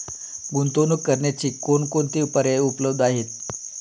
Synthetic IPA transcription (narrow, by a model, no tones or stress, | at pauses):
bunt̪onukːəɾɳjat͡ɕiːkonkont̪iːupəɾeupləb̚d̪ʱaɦet̪̚